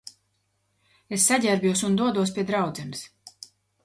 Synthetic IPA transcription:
esːaɟʲæɾbjuɔsund̪uɔd̪uɔspʲiɛd̪ɾawd̪zɛns

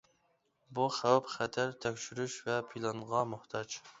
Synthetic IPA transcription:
buχæwpχɛt̪ʰæɾt̪ʰɛkʲʃyɾyʃvɛpʰilˠɑɴʁɑmʊht̪ʰɑd͡ʒ

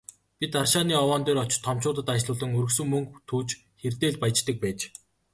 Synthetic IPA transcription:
pʲit̪arʃaːniːɔwɔːnt̪eːɾɔt͡ɕt̪ʰːɔmt͡ɕʊːt̪ə̆t̪at͡ɕɮʊːɮə̆ŋɵɾɵ̆ks̬ɵ̆ŋmɵŋkt̪ʰuːt͡ɕ | xert̪eːɮpajt͡ɕt̪ə̆k̚pæːt͡ɕ

